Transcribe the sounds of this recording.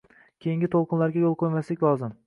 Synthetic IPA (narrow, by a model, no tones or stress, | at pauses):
kʲʰejɪŋɡʲɪt̪ʰolˠqʰɨnlaɾɡʲajolˠqʰojmaslɪkʲlˠɒzɪm